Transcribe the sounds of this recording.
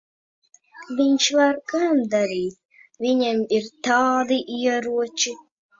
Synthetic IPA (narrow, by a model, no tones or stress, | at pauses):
vʲiɲʃvaɾɡamd̪aɾiːt̪̚ | vʲiɲʲɛmiɾt̪ɑːd̪iʔiɛɾuɔt͡ʃi